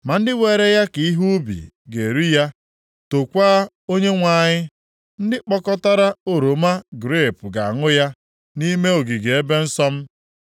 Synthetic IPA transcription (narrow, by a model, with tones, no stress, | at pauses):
ma˨n̩˦dɪ˦we˨ɾe˦ja˦ki˨i˦ɦu˦bḭ˨ | ɡe˨ɾi˦ja˦ | to˨kʷaː˦ | o˦ɲe˦ŋʷa˨ɲɪ˦ | n̩˦dɪ˦k͡pɔ˦kɔ˦ta˦ɾa˦o˨ɾo˨ma˦ɡɾe˦˨pʊ˨ɡa̰˨a˨ŋʊ˦ja˦ | ni˦me˦o˨ɡi˨ɡe˨e˦be˦n̩˦sɔ˦m̩˦